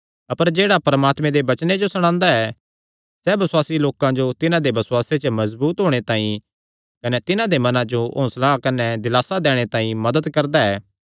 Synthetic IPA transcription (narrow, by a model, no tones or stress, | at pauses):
ɐpəɾd͡ʒeːɽapɐɾəmaːt̪mɛ̃d̪ebɐt͡ʃned͡ʒosɐɽ̃ãːnd̪aɛ | sɛːbɐswaːsiloːkãd͡ʒot̪ɪnãd̪ebɐswaːset͡ʃəmɐzbuːt̪ɦoːɽ̃et̪ãːĩ | kɐnɛt̪ɪnãd̪emɐnãd͡ʒoʔõːslakɐnɛd̪ɪlaːsad̪ɛːɽ̃et̪ãːĩmɐd̪əd̪kɐɾd̪aɛː